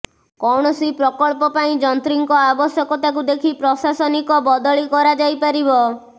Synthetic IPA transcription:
kɔwɳ̃ɔsipɾɔkɔɭpɔpaĩd͡ʒɔnt̪ɾiŋkɔabɔsjɔkɔt̪ak̬ud̪ekʰipɾɔsasɔnikɔbɔd̪ɔɭikɔɾad͡ʒajpaɾibɔ

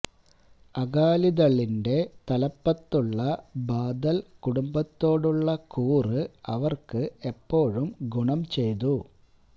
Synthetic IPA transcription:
ɐɡaːliðɐɭːinde̞t̪ɐlɐpːɐt̪ːuɭːɐbaːd̪ɐlkuɽumbɐt̪ːo̞ːɽuɭːɐkuːrɨɐʋɐrkɨe̞pːo̞ːɻumɡuɳɐmt͡ɕe̞jt̪u

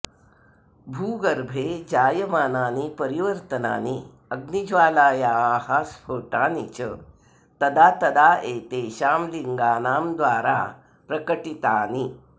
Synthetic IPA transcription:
bʱuːɡɐɾbʱeːd͡ʑaːjəmaːnaːnipɐɾiʋəɾt̪əna̰ːni | ɐɡnid͡ʒʋaːlaːjaaːhaspʰoːʈaːnḭt͡ɕə | t̪ɐd̪aːt̪ɐd̪aːeːt̪eːʃaːmliŋɡaːnaːmd̪ʋaːɾa̰ | pɾɐkəʈit̪aːni

